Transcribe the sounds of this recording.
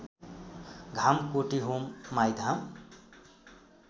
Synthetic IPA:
ɡʱamkoʈiɦumːajd̪ʱam

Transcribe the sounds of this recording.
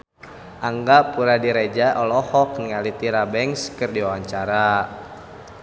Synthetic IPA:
ʔaŋɡapuɾadiɾɛd͡ʒaʔɔlɔhɔk̚niŋalit̪iɾabɛŋskɨrdiwawaɲt͡ʃaɾa

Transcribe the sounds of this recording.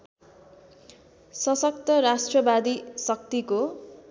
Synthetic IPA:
sʌsʌk̚t̪ʌɾasʈrʌbad̪isʌk̚t̪iko

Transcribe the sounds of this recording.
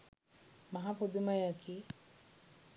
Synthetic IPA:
maɦapod̪umajakʰi

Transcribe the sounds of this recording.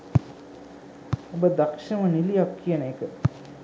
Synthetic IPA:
obəd̪ɐkʂɐmənilijakːijənekə

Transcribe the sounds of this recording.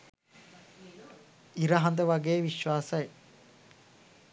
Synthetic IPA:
iɾɐɦɐ̃nd̪əʋɐɡeːʋiʃʋaːsɐe

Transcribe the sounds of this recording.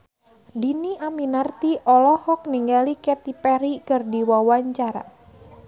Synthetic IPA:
diniʔaminart̪iʔɔlɔhɔk̚niŋɡalikɛt̪ipɛɾikɨrdiwawaɲt͡ʃaɾa̰

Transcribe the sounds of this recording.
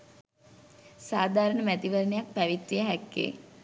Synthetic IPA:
saːd̪ʱaːɾəɳəmæt̪iʋəɾənejak̚pæʋit̪ɾijəɦækːḛː

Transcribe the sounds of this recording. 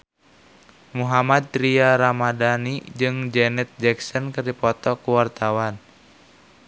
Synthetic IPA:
muɦamad̪̚ɾiaɾamadanid͡ʒɨŋd͡ʒɛnɛt̪̚d͡ʒɛksənkɨrdipɔt̪ɔkuwart̪awan

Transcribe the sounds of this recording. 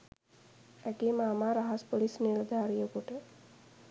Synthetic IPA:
ækiːmaːmaːɾaɦaspolisnild̪ʱaːɾijokuʈə

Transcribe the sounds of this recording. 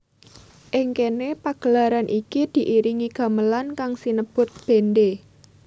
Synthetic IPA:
ʔɪŋkenepaɡ̥əlaɾanʔikid̪̥i̤ʔiɾiŋiɡ̥a̤məlankaŋsinəb̥ʊ̤t̪̚b̥e̤nde

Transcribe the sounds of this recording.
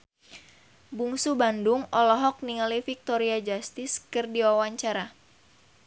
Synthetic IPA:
buŋsubandʊŋʔɔlɔɦɔk̚niŋalifik̚t̪ɔɾiad͡ʒast̪ɪskɨrdiwawaɲt͡ʃaɾa

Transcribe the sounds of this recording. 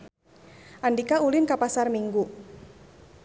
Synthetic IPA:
ʔandikaulɪnkapasarmiŋɡu

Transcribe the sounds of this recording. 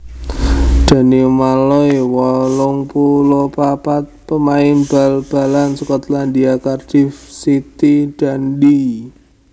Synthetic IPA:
ɖ̪̥a̤nimalɔjwɔlʊŋpulopapat̪̚pəmaɪnb̥alb̥a̤lansukɔt̪landiakard̥ifsit̪id̥a̤ndi

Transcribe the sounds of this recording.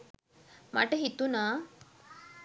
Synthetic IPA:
ma̰ʈəɦit̪unaː

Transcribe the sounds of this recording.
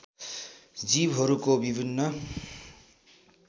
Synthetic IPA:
d͡zibʱɦʌɾukobibʱinːʌ

